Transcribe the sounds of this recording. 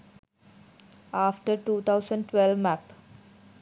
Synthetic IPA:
aːfʈəɾʈuːt̪ʰaʊzə̃ɳɖʈwɛlʋmæp

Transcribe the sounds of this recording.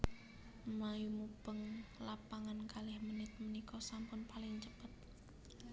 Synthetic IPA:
majumub̥əŋlapaŋankalɪhmənɪt̪̚mənikɔsampʊnpalɪŋt͡ʃəpət̪̚

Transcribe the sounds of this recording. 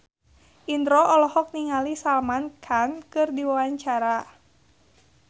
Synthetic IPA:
ʔind̪ɾɔʔɔlɔhɔk̚niŋalisalmankʰankɨrdiwawaɲt͡ʃaɾa

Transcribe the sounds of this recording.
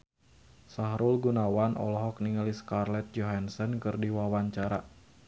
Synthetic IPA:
saɦɾulɡunawanɔ̰lɔɦɔk̚niŋəliskarlɛt̪̚d͡ʒɔɦansənkɨrdiwawaɲt͡ʃaɾa

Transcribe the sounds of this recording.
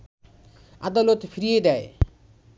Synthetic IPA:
a̰d̪ɔlot̪pʰiɾijed̪ae

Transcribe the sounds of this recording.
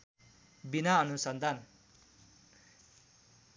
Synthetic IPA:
binaʌnusʌnd̪ʱan

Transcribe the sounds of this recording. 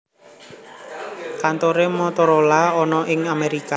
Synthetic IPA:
kant̪oɾemɔt̪ɔɾolaɔnɔʔɪŋameɾika

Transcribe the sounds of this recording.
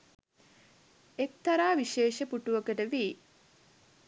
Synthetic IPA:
ek̚t̪aɾaːʋiʃeːʃəpuʈuʋəkəʈəʋiː

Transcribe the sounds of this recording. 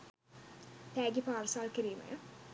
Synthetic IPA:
t̪æːɡipaːɾsaːlkiɾiːmə̰jə

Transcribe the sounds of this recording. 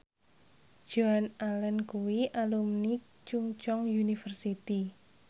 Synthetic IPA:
ʒ̥oanalɛnkuwiʔalumni | t͡ʃuŋt͡ʃɔŋjunifərsit̪i

